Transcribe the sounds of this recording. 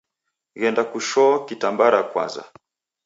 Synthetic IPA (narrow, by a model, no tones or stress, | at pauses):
ɣɛndakuʃɔkitambaɾakwa̰nza̰